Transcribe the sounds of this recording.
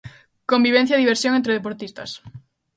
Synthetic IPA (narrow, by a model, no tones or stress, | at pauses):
kombiβẽn̟θjaðiβ̞eɾsjoŋẽnt̪ɾeðepoɾt̪ist̪ɐ̰s